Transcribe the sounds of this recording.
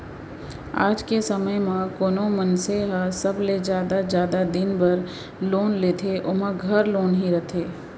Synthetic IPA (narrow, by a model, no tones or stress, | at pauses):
a̰ːd͡ʒkesəməjmãkoːnomənseɦəsɐbled͡ʒjaːd̪azjaːd̪ad̪ɪnbɐɾ | loːnleːt̪ʰeʔʊmə̃ɡʱɐɾloːnɦiɾɐt̪ʰeː